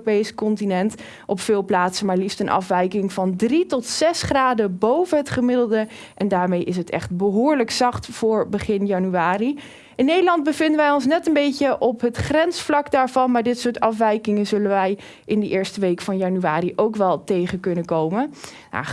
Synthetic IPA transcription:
pejsə̥kɔntinɛnt | ʔɔpfɪːlˠplaːtsənmaːɹlifstənʔɑ̰fʋɛjkɪŋvɑndritɔtsɛsχraːdəbowvənɦətχəmɪdəlˠdə | ʔɛndaːɹmejʔɪs̬ɦətɛ̰χt̚bəɦʊːɹləksɑχtfʊːɹbəχɪnjɑnyaːri | ʔɪnːejdəlɑnd̚bəvɪndənʋɛjɔns̬nɛtənbejcəʔɔpɦətχrɛnsflɑkdaːɹvɑnmaːɹdɪtsʊːɹtɑfʋɛjkɪŋənzɵlənʋɛj | ʔɪndəʔɪːɹstəʋejkfɑnjɑnyʋaːɾiʔowkʋɛlˠtejχəkɵnəkowmə | a̰

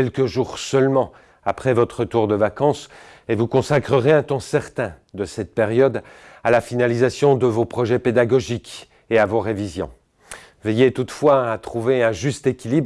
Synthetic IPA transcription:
ɛlkəʒuʁsœlmɑ̃ | apχɛvɔt̪χət̪uʁd̪əvakɑ̃s | evukɔ̃sakχəʁeɛ̃t̪ɑ̃sɛʁt̪ɛ̃d̪əsɛt̪̚peʁjɔd̪ | alafinalizasjɔ̃d̪əvopχɔʒɛped̪aɡɔʒik | eavoʁevizjɔ̰̃ | vɛjet̪ut̪fwaat̪χuveɛ̃ʒyst̪ekʲilib

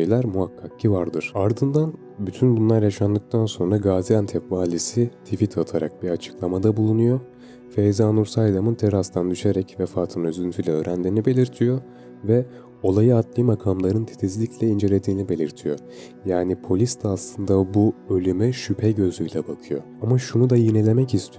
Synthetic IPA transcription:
ʃejlʲæɾmuɦakʰːak̚cʰivaɾd̪ɯɾ̥aɾd̪ɯnd̪an | byt̪ʰynbunlˠaɾjaʃand̪ˠɯk̚t̪ʰanso̞nɾaɡaːziant̪ʰɛkvaːlʲisit̪ʰifit̪ʰat̪ʰaɾa̰k̚biat͡ʃʰɯ̥klˠamad̪abulˠunujo | fejzaːnuɾsajd̪amɯnt̪ʰeɾast̪ʰand̪yʃe̞ɾɛcvɛfaːt̪ʰɯnøzynt̪ʰyjlʲɛø̞ːɾænd̪iːnibe̞lʲiɾt̪ʰijo̞ | vɛ | o̞lˠajɯat̪lˠɯmakʰamlˠaɾɯnt̪ʰe̥t̪ʰizlʲiclʲɛind͡ʒelʲe̞d̪iːnibe̞lʲiɾt̪ʰijo̞ | jaːnipʰo̞lʲist̪ʰaːslˠɯnd̪abuø̞lʲymɛʃypʰɛɟø̞zyjlʲɛbakʰɯjo̞̰ | amaʃunud̪ajinelʲe̞mɛcist̪ʰi

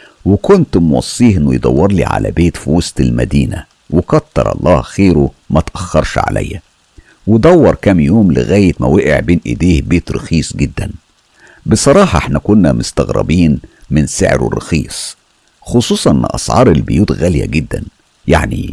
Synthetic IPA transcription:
wɪkont̪mwɑ̰sˤːiːhʔɪnːojd̪ˤɑwːɑɾˤlḭʕa̰læ̰beːt̪fiwost̪elmæ̰d̪iːnæ | wɪkɑt̪ːɑɾˤɑ̰lˤːɑːhxeːɾu | mæt̪ʔæxːɑɾˤʃʕa̰lʔæ̰jːæ | wɪd̪ˤɑwːɑɾˤkæmjoːmlɪ̰ɣæːjɪt̪mæweʔḛʕbeːnʔɪ̰d̪eːhbeːt̪ɾɑxiːsˤɡɪd̪ːæn | besˤɑɾˤɑːħɑʔeħnækʊnːæmʊst̪æɣɾˤɑ̰biːnmɪnsḛʕɾo̰rːɑxḭːsˤ | xosˤuːsˤɑʔenːʔɑsˤʕɑ̰ːɾˤelbejuːt̪ɣæljæ̰ɡɪd̪ːæn | jaʕni

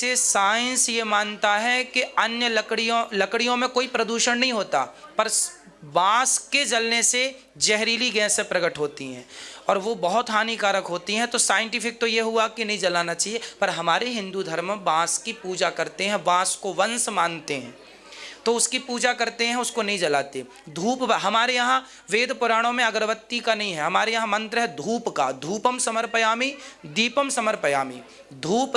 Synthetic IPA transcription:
sesaːɪ̃nsjemaːnt̪aɦɛkiɐnjəlɐkɽijõlɐkɽijõmẽkoːipɾɐd̪uːʃənnːɐɦĩɦoːt̪a̰ːpɐɾ | ʋãːsked͡ʒɐlnese | d͡ʒɛɦɾiːliɡɛːsːẽpɾɐɡəʈɦoːt̪iɦɛ̰̃ːɔːɾʋobɐɦʊt̪ɦaːnikaːɾəkɦoːt̪iɦɛ̃t̪osaːjɪ̃ɳʈɪfʰɪk̚t̪ojeɦʊakinɐɦĩd͡ʒɐlaːnat͡ʃaːɦiepɐɾɦɐmaːɾeɦɪ̃nd̪ud̪ʱɐɾmʋãːskipuːd͡ʒakɐɾt̪eɦɛ̃ʋãːskoʋɐ̃nsmãːnt̪eɦɛ̰̃ː | t̪oʊskipuːd͡ʒakɐɾt̪eɦɛ̃ʊskonɐɦĩd͡ʒɐlaːt̪e | d̪ʱuːpɦɐmaːɾejɐɦã | ʋeːd̪pʊɾaːɽ̃õmẽɐɡəɾʋət̪ːikanɐɦĩɦɛɦɐmaːɾejɐɦãmɐ̃nt̪ɾəɦɛd̪ʱuːpka̰d̪ʱuːpəmsɐməɾpəjaːmid̪iːpəmsɐməɾpəjaːmḭː | d̪ʱuːp

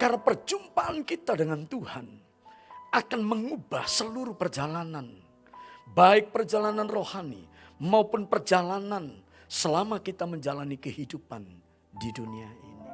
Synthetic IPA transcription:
kaɾnapərd͡ʒumpaʔankit̪adəŋant̪uhan | akanməŋubahsəluɾupərd͡ʒalanan | baɪk̚pərd͡ʒalananrohanḭmaupʊnpərd͡ʒalanan | səlamakit̪aməɲd͡ʒalanikəhidupan | diduniaʔḭni

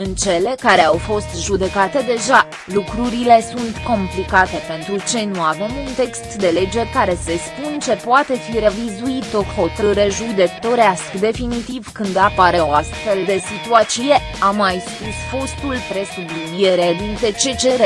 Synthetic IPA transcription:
ɨnt͡ʃe̞le̞kaɾe̞awfo̞st̪ʒud̪e̞kat̪e̞d̪e̞ʒa | lukɾuɾile̞sunt̪ko̞mplikat̪e̞pe̞nt̪ɾut͡ʃe̞nuave̞munt̪e̞kst̪d̪e̞le̞d͡ʒe̞rʲkaɾe̞se̞spunt͡ʃe̞poat̪e̞fiɾe̞vizuit̪ːok̪ho̞t̪ɾɨɾeʒud̪e̞kt̪o̞ɾeaskd̪e̞finit̪ivkɨnd̪apaɾe̞oast̪fe̞ld̪e̞sit̪uat̪t͡ʃije̞ | amːajspusfo̞st̪ulpɾe̞sublidijeɾe̞d̪int̪e̞t͡ʃe̞t͡ʃe̞ɾe

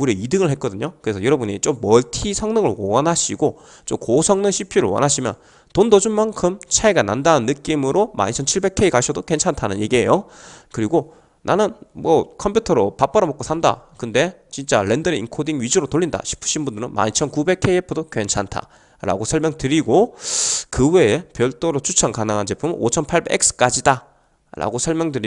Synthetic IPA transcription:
uɾjeidɯŋɯɭɦe̞t̚k͈ʌdɯɲokɯɾe̞sʰʌjʌɾʌbuɲit͡ɕomːʌɭtʰisʰʌŋnɯŋɯɭwʌnɦaɕʰiɡo | t͡ɕomkosʰʌŋnɯnɕʰipʰiɾɯɭwʌ̰nɦaɕʰimjʌ̰n | tondʌd͡ʑunmaŋkʰɯmt͡ɕʰaiɡana̰ndaɯnːɯk͈imɯɾʔoma̰ɲit͡ɕʰʌnt͡ɕʰiɭbe̞kʰeikaɕʰʌdokwe̞nt͡ɕʰantʰanɯnje̞ɡiɦe̞̰jokɯɾiɡo | nʔanɯnmʌkʰʌmpʰjutʰʌɾopap͈aɾʌmʌk͈osʰanda̰kɯnde̞t͡ɕint͡ɕ͈aɾe̞ndɯɾeḭnkʰodiŋɥid͡ʑuɾotoɭːinda̰ɕʰi̥pʰɯ̥ɕʰinbundɯɾɯnma̰ɲt͡ɕʰʌnkube̞kʰːeiepʰɯdokwe̞nt͡ɕʰantʰa̰ | ɾa̰ɡosʰʌɭmjʌŋtɯɾiɡo | kɯwe̞epjʌɭt͈oɾot͡ɕʰut͡ɕʰaŋkanɯŋɦant͡ɕe̞pʰumot͡ɕʰʌnpʰaɭbeek̚sʰɯ̥k͈ad͡ʑida | ɾa̰ɡosʰʌɭmjʌŋdɯɾi

